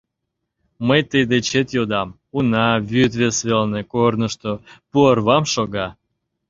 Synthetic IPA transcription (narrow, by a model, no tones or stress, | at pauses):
məjt̪əjd̪et͡ɕet̪jod̪ɑm | unɑβyt̪vʲesvelnekornəʃt̪opuərβɑmʃoɣɑ